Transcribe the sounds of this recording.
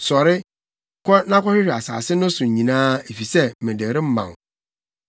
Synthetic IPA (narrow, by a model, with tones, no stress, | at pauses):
sɔ˨ɾɪ˦ | kʰɔ˦nã˦kʰɔ˦ɕɪ˦ɕᶣɪ˨a˨sa̰ː˨sɪ˦nʊ̃˦sʊ̃˨ɲĩ˨nãː˦e˨fi˨sɛ˦mɪ̃˨dɛ˨ɾɪ˦m̩˦mã̰˨ŋ˨